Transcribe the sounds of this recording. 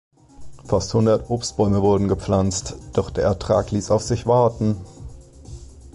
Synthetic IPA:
fasthʊndɐtʔoːpstb̥ɔʏməvʊɐdn̩ɡəp͡flant͡std̥ɔχd̥eːɐɛɐtʁ̥a̰ːkliːsaʊfz̥ɪçv̥aɐtn̩

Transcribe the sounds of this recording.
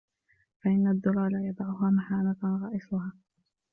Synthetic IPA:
faʔɪnːad̪ːʊɾˤɑːlajɑd̪ˤɑʕʊɦaːmaħaːnatɣɑːʔɪsˤʊɦaː

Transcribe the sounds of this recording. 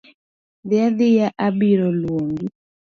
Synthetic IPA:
ðjaðijaʔaɓiɾɔlwoŋɡi

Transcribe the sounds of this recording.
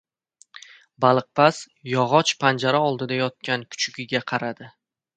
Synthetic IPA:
balˠɨq̚pas | jɒʁɒt͡ʃpʰand͡ʒaɾaɒlˠd̪ɪd̪ajɒt̪̚kʲankʰʊ̥t͡ʃʰʊɡʲɪɡʲaqʰɑɾad̪ɪ

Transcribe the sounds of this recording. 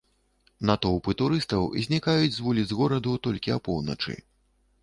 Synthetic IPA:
nat̪ɔwpɨt̪uɾɨst̪ɐwḭzʲnʲikajud͡zʲzvulʲizɣɔɾɐd̪ut̪ɔlʲkʲiapɔwnɐ̰t͡ʂɨ̰

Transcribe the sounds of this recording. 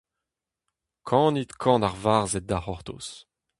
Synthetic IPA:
kʰɑ̃ːnit̪kʰɑ̃ːnaʁvaːʁzɛt̪̚d̪aχɔʁt̪o̰s

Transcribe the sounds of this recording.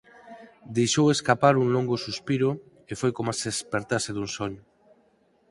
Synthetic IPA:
d̪ejʃoweskapaɾuŋloŋɡosuspiɾʊ | efojkomasespeɾt̪aseðuŋsoɲʊ

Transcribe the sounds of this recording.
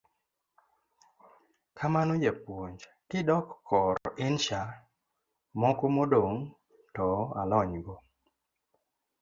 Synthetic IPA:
kʰamanod͡ʒapwoɲd͡ʒ | kɪdɔkʰːɔɾɪnʃa | mɔkomodoŋ | tɔa̰lɔɲɡɔ

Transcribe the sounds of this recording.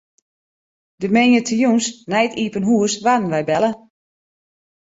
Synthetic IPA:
d̥əmɛɲətʰəjunsnɛjtiːpənɦuəsʋadn̩ʋɛjbɛlˠə

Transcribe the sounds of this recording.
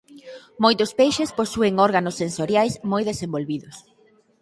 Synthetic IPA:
mojt̪ʊspejʃesposueŋoɾɣanʊsːensoɾjajsmojðesembolβiðʊs

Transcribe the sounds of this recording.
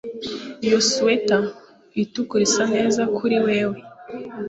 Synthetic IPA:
ijosuweta | itukuɾisane̞ːzakʰuɾiwe̞ːwe̞

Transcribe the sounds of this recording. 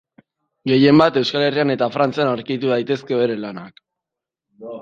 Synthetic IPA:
ɡe̞je̞mbat̪e̞wskale̞riane̞t̪afɾant͡sianaɾkit̪uðajt̪e̞ske̞βe̞ɾe̞lanak

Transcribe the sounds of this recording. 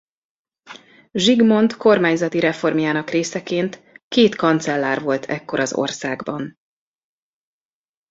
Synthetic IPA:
ʒiɡmo̞nt̪ko̞rmaːɲzɒt̪iɾɛfo̞rmjaːnɒkreːsɛkeːnt̪keːt̪kɒnt̪sɛlːaːrvo̞lt̪ʰɛkːo̞ɾɒzo̰rsaːɡbɒn

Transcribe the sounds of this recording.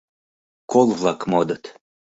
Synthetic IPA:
kolˠvlˠɑkmod̪ɤt̪

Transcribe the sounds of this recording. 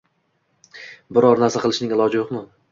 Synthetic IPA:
bɪɾɒɾnaɾsaqʰɨlˠɪʃnɪŋɪlˠɒd͡ʒɪjoqmʊ

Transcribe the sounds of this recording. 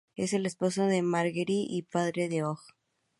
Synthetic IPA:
e̞se̞le̞spo̞soðe̞maɾɣeɾiʔipaðɾeðeox

